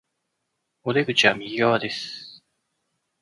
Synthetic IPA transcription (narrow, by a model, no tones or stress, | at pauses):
o̞d̪e̞ɡɯt͡ɕiβamʲiɡʲiɡaβad̪e̞sɨ̥